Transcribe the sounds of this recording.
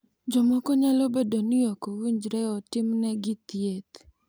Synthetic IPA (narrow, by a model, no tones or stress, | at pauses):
d͡ʒɔmɔkɔɲalobedoniokowiɲd͡ʒɾɛɔtɪmnɛɡɪt̪jet̪